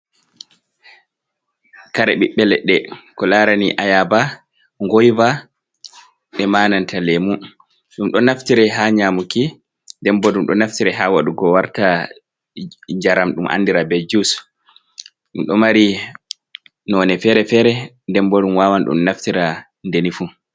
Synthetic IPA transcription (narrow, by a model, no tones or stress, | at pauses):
kaɾɛɓiɓːɛlɛɗɛkɔlaɾaniʔajaba | ŋɡojva | ɓɛmaːnantʰalemu | ɗumɗɔnaftiɾɛɦaɲaːmuki | ndɛmbɔɗumɗɔnaftiɾɛɦawaɗuɡɔwaɾta | ɲd͡ʒaɾamɗumʔa̰nːdiɾabɛd͡ʒus | ɗumɗɔmaɾi | nɔnɛfɛɾɛfɛɾɛ | ndɛmbɔɗumwawanɗṵmnaftiɾa | ndenifu